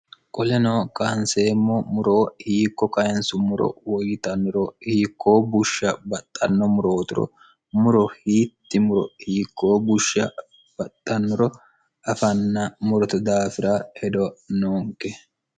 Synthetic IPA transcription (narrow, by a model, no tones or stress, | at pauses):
kʼɔlɛnoːkaːnseːmːɔmʊɾo̞ːhiːkːɔkɐjɛnsʊmʊɾɔ̰wɔjɪt̪ɐnːʊɾɔhiːkʰːo̞ːbʊʃːɐbɐt̪ʼːɐnːɔmʊɾo̞ːt̪ɪɾɔ̰ | mʊɾɔhiːt̪ːɪmʊɾɔ̰hiːkːo̞ːbʊʃːɐ | b̥ɐt̪ʼːɐnːʊɾɔ | ʔɐfɐnːɐmʊɾɔt̪ɐd̪aːfɪɾahɛd̪ɔnoːŋkːɛ